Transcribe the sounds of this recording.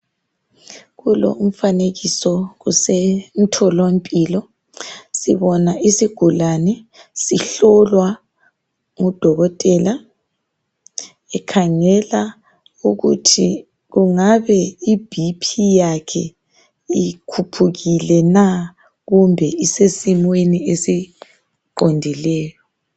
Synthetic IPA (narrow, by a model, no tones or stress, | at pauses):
ɣulo̰um̩faneɣisɔɣusɛntʰɔlompʼilɔ | siβɔnaʔisiɡ̥ʱulanɛsiɬɔlwa | ŋud̥ʱɔɣɔtʼɛla | ɛkʰaŋɛla | uɣṵtʰi | ɣuŋaβɛib̥ʱipʰijakʰɛ | ikʰupʰuɣilɛna | ɣumbʱɛisesimweniesi | ǃondʱilɛːjɔ